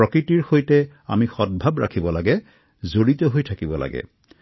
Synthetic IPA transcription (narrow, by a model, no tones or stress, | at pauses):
ɔkɹitiɹxojtɛ | a̰mixɔd̚bʱabɹa̰kʰibɔlaɡɛ | zoɹit̪ɔɦojtʰakibɔla̰ɡɛ̰